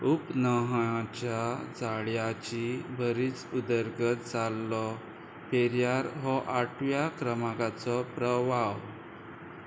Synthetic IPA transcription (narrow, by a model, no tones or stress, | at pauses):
upnəɦãt͡ɕad͡zaɭjat͡ɕibʱəɾiːt͡sud̪əɾɡət̪̚d͡zalːɔ | feɾjaɾɦɔʔaʈʰʋjakɾəmaɡat͡sɔpɾəʋaw